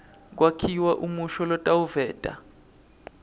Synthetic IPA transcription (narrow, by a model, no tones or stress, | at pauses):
k̬wakʰiwaʔumuʃɔlɔtʼawuvɛːd̥ʱʼa̰